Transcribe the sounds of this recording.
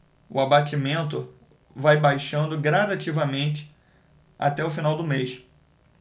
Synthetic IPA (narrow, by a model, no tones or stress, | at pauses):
ʊ̰abat͡ʃimẽnt̪̬ʊ | vajbajʃɐ̃nd̪ʊɡɾad̪at͡ʃivɐmẽnt͡ʃɪ̥ | a̰t̪ɛʊfinawd̪ʊmejʃ